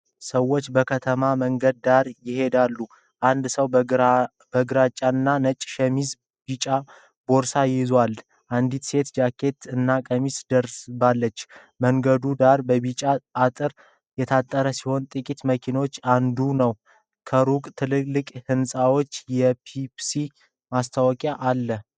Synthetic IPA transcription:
səwːo̞t͡ʃːbəkʰət̪ʰəmaməŋɡəd̪̚ːaɾjɪhe̞d̪alːu | ʔand̪səw | bəɡɾat͡ʃʼaɨnːanət͡ʃʼʃəmiz | bit͡ʃʼa | bo̞ɾsajɪzwal | ʔand̪it̪se̞t̪d͡ʒakʰːe̞t̪ɨnːakʼəmisd̪əɾsbalːət͡ʃː | məŋɡəd̪ud̪aɾbəbit͡ʃʼaʔat̪ʼɨɾ | jɛt̪ʰat̪ʼːəɾəsiho̞nt̪ʼɨkʼit̪məkʰinot͡ʃːand̪unəw | kʰəɾukʼt̪ʰɨlɨlːɨkʼhɨnsʼawo̞t͡ʃːjɛpʰipsi | mast̪ʰawɔkʼjaʔalːə

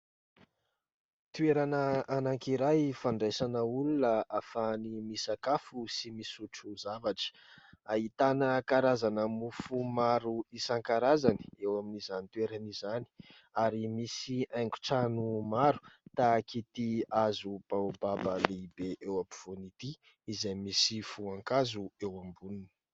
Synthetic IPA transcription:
t̪ueɾanəanaŋkiɾajfaɳɖ͡ʐesanəulunəafanimisakafusimisuʈ͡ʂuzavaʈ͡ʂə̥ | ait̪anəkaɾazanəmufumaɾuisaŋkaɾazani̥ewaminizanit̪weɾənizani̥ | aɾimisiajŋku̥ʈ͡ʂanumaɾu̥t̪akit̪iazupababəleibeʔewapiv̥onit̪i | izajmisifuaŋkazuewambuninə̥

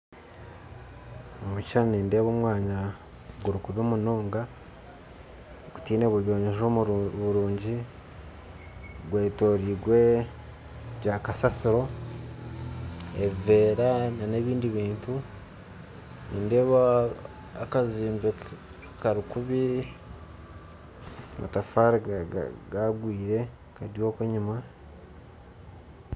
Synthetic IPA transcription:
omucaniːnde̞ːβoːmwaːɲa | ɡuɾukuβoːmunoːŋɡa | ɡu̥tiːne̞βuɾjo̞ːɲeʒoβuɾuːɲɟi | ɡwe̞ːto̞ːɾiːɡwe̞ | ɟakasasiɾo̞ | eve̞ːɾanane̞ːβiːndiβiːntu | nḭːnde̞βaː | kaziːmbe | kaɾikuβi | ma̰tafaːɾḭɡaɡwiːɾe̞ | kaɾjo̞ːkweɲima

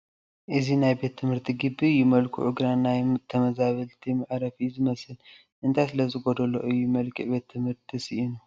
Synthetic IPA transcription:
ʔɨzinajbe̞t̪ʰːɨmhɨɾt̪ʰiɡɨbːiɨjːumɐlkʰṵʔʊɡɾanːajt̪ʰːɐmɐzaβɐlt̪ʰimɨʕɾɐfizɨmɐsɨl | ʔɨnt̪ʰajsɨlɐzɨɡod̪ɐlo̰ʔɨjːumɐlkʰɨʔbe̞t̪ʰːɨmhɨɾt̪ʰisiʔinu

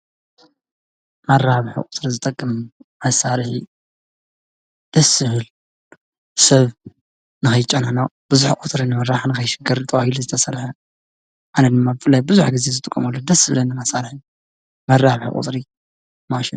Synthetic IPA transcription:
mɐɾːaβħɨ̰kʼʊt̪ʼɾizɨt̪ʼɐkʼːɨmasaɾħi | d̪̥ɐsɨhɨl | sɐβ | nɨxɐjt͡ʃʼɐnanab̥ɨzuħkʼut̪ʼɾinɨmɐɾaħanɨkɐjʃɪɡɨɾt̪ʼɐwahiluzɨt̪ʰɐsɐrħɐ | ʔanɐd̪ɨmːabɨfɨlːajbɨzuħɡɨze̞zɨt̪ʼɨkʼːɐmɐlːod̪ɐsɨβlɐnːɨmasaɾħi | mɐɾaβħɨ̰kʼṵt̪ʼɾi | maʃin

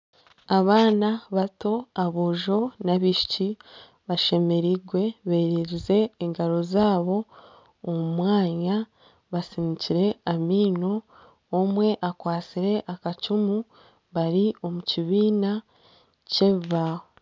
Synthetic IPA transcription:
aβaːnaβato̞aβoʒo̞naβiʃi̥ci | βaʃe̞me̞ɾiɡwe̞βe̞ːɾiɾize̞ːŋɡaɾo̞zaːβo̞ː | mumwaːɲa | βasiniciɾe̞amiːno̞ː | mwe̞ʔakwaːt͡siɾe̞ʔakat͡ʃumu | βaɾio̞muciβiːna | ce̞vaho

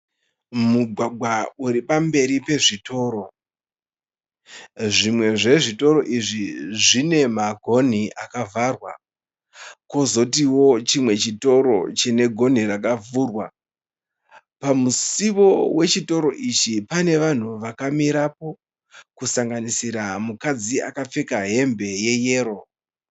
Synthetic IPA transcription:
muɡʱwaɡwauɾipambe̞ɾipe̞ʐito̞ːɾo̞ | ʐimwe̞ʐe̞ʐito̞ɾo̞ʔiʐiʐine̞maɡʱo̞n̤iʔakavarwa̰ | ko̞zo̞tiwo̞t͡ʃimwe̞t͡ʃito̞ɾo̞̰t͡ʃene̞ɡʱo̞n̤irakavuːrwa | pamusiʋo̞we̞t͡ʃito̞ɾo̞ʔit͡ʃipane̞ʋan̤uʋakamiɾapo̞ | kusaŋɡanisiɾamukad͡ziakap͡fe̞kaɦe̞mbe̞je̞je̞ːɾo̞

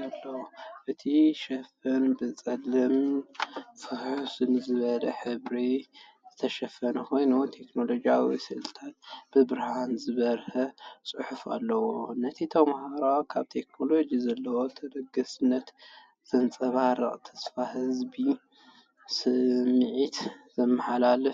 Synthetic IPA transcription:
alːɐwoʔɨt̪ʰiʃɐfɐnbɨt͡sʼɐlɨm | fɨħusɨnɨzɨβɐlɐħɨβɾi | zɨt̪ʰɐʃɐfːɐnɐxo̞jnut̪ʰe̞kno̞lo̞d͡ʒijawḭsɨlt̪ʰat̪̚b̥ɨbɨɾhanzɨβɐɾhɐsʼɨħufa̰lːɐwonɐt̪ʰit̪ʰɐmhaɾawkʰaβt̪ʰe̞knolo̞d͡ʒizɐlːɐwo̞t̪ʰɐd̪ɐɡɐsɨnːɐt̪ | z̥ɨnt͡sʼɐβaɾɨχʼt̪ʰɐ̥sfahɨzbi | sɨmːʕit̪z̥ɐmːɐħalalɨf

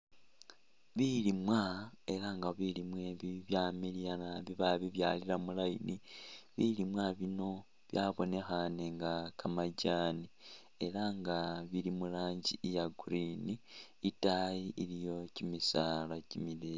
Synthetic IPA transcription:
βilimwae̞ɾaŋɡaβilimweβiβjamilijanaβiβaβiβja̰ːliɾamulainiβilimwaβino̞ | βjaːβo̞ne̞xane̞ŋɡakʰamaɟaːni | e̞ɾaŋɡaβiɾimulaːɲɟijaɡuɾiniː | tajiʔiɾijo̞cimisaːlacimile

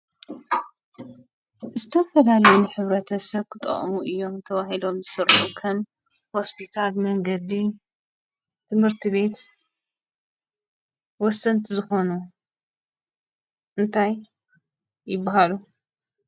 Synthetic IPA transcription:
zɨt̪ʰɐfɐlalɐjunɨħɨβɾɐt̪ʰɐsɐβkʰɨt̪ʼːɐ̰χʼmuʔɨjːo̞mt̪ʰɐwahilo̞mzɨsɨɾħukʰɐm | ho̞spʰit̪ʰalmɐŋɡɐd̪i | t̪ʰɨmhɨɾt̪ʰiβe̞t̪ | wɔsːɐnt̪ʰizɨxo̞nu | ʔɨnt̪ʰajː | ɪbːaɦalu

